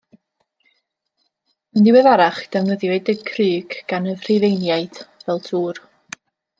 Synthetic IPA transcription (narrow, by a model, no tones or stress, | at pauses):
əndɪwɛðaɾaχd̥ɛwnəðjɛdəkʰrɨːɡ̥ɡ̥anəðr̥evejnjajd̥vɛlˠdʰuːr